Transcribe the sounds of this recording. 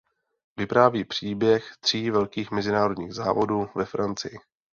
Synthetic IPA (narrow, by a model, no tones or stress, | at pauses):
vɪpɾaːviːpr̝̥iːbjɛxt̪r̝̥iːvɛlkiːxmɛzɪnaːɾo̞dɲiːɣza̰ːvo̞duːvɛfɾant͡sɪjɪ